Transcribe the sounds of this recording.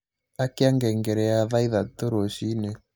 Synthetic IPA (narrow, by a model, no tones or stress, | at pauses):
akeaŋɡɛŋɡɛɾɛjaðaiðat̪oɾoʃine